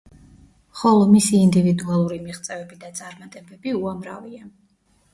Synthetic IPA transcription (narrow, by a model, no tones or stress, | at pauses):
χɔlˠɔmisiːnd̪ivid̪ualˠuɾimiχt̪sʼɛvɛbid̪at̪sʼaɾmat̪ʼɛbɛbiuamɾa̰via